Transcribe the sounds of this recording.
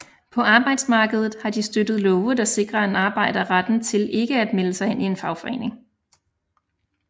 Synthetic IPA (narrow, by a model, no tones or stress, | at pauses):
pʰɒ̽ɑ̈ːb̥ɑ̈ɪ̰d̥smɑ̈ːɡ̥əð̞ˠð̩ˠhɑ̈d̥isd̥ød̥ð̞̩ˠlɔʊəd̥ɑ̈se̝ɡ̥ʁɐenɑ̈ːb̥ɑ̈ɪ̰d̥ɐʁad̥n̩t͡sʰe̝lʔe̝ɡ̥əæd̥meləsɑ̈ɪhen̰ʔie̝nfɑ̈ʊfɒ̽e̝̰ːne̝ŋ